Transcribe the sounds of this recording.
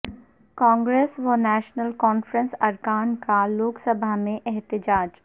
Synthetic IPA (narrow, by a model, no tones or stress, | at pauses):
kɔ̃ːŋɡɾeːsʋɐnɛːʃnəlkɔːnfɾə̃nsɐɾkaːnkaloːksɐbʱamẽʔɛɦt̪ɪd͡ʒaːd͡ʒ